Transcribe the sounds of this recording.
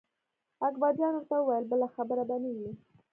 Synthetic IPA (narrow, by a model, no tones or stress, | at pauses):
akbɑd̪jɑnwəɾt̪awəwajəlbəlaxabəɾabaniwli